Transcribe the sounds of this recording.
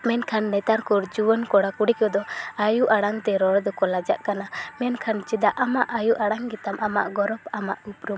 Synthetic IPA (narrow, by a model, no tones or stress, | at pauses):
mɛnkʰanːɛt̪aɾkuɾd͡ʒuwɔnkɔɽakuɽikɔd̪ɔajuʔaɽaŋt̪ɛɾɔɽd̪ɔkɔlad͡ʒa̰ʔkanamɛnkʰant͡ʃid̪aʔamaʔajuʔaɽaŋɡit̪amʔama̰ʔɡɔɾɔpama̰ʔupɾum